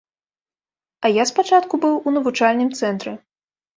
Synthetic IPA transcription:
ɐjaspat͡ʂat̪kubɨwunɐvut͡ʂalʲnɨmt̪sɛnt̪ɾɨ

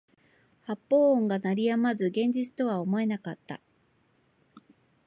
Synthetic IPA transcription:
hapːo̞ːõŋɡanaɾʲijamazɨɡẽ̞ɲ̟d͡ʑit͡sɨ̥t̪o̞βao̞mo̞e̞nakat̪ːa̰

